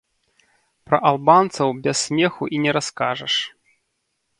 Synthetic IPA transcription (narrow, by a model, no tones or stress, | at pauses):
pɾɐʔalˠbant̪sɐwbʲɛsʲsʲmʲɛxuʔinʲɛɾaskaʐɐʂ